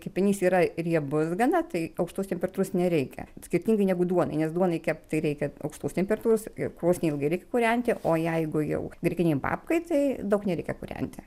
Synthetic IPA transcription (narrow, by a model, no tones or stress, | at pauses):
kɐɪpʲɪnʲiːsiːɾɐrʲiɛbʊsɡɐnɐt̪ɐɪɐʊkʃt̪uːst̪ʲɛmpʲɛɾrɐt̪uːɾoːsnʲɛɾʲɛɪkʲɛ̰sʲkʲɪɾʲt̪ʲiːŋɡɐɪnʲæɡʊd̪uɔnɐɪnʲɛsd̪uɔnɐɪkʲæːpt̪ɐɪɾʲɛɪkʲɛɐ̰ʊkʃt̪uːstʲɛmʲpʲɛrɐt̪uːɾoːskɾoːsʲnʲɛɪlˠɡɐɪɾʲɛɪkʲɛkuːɾʲɛnʲt̪ʲɪʔoːjɛɪɡʊjɛ̰ʊɡɾʲɛkʲɪnʲɛɪbɑ̰ːpkɐɪt̪ɐɪd̪ɐʊknʲɛɾʲɛɪkʲɛkuːɾʲɛ̰nʲt̪ʲɪ